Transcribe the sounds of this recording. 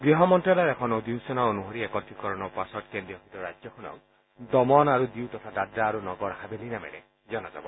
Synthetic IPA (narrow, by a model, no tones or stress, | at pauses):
ɡɾiɦɔmɔnʈɾalɔɾekʰɔnɔd̪insɔnaonuɦɔɾiekɔt̪ikɔɾɔnɔpasɔt̚kendɾijɔɦit̪ɔɾad͡ʒjɔkunɔ̰w | d̪ɔmɔnaɾud̪iwt̪ɔt̪ʰadadɾaːɾunɔɡɔɾhabelinamḛɾe | d͡ʒɔnad͡ʒa̰bɔ